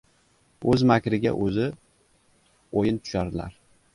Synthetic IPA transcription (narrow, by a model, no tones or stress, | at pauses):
ɵzmakʲɾɪɡʲa̰ʔɵzɪ | ojɪnt̪ʰʊ̥ʃaɾd̪ɪla̰ɾ